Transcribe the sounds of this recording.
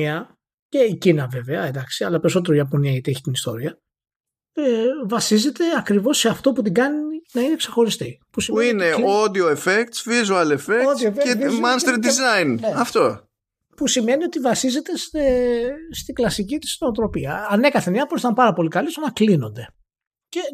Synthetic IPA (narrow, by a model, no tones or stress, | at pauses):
ɐ | ce̞icinɐve̞ve̞ɐend̪ɐksiɐlɐpe̞ɾiso̞t̪e̞ɾoiɐpo̞niɐit̪eeçi̥t̪inist̪o̞ɾiɐ | evɐsize̞t̪e̞ɐkɾivo̞sːeɐft̪o̞put̪̬iɡɐninɐine̞kse̞xo̞ɾist̪ipusimueine̞od̪ioefekt̪svizoɐlefeoðioefemɐnst̪ɾid̪izajnneɐft̪o̞ | pusime̞nio̞t̪ivɐsize̞t̪e̞st̪est̪iɡlɐsicit̪i̥snoːt̪ɾo̞piɐɐne̞kɐθenɐposit̪ɐmpɐɾɐpo̞likɐlist̪onɐklino̞̰nd̪e̞ | ce̞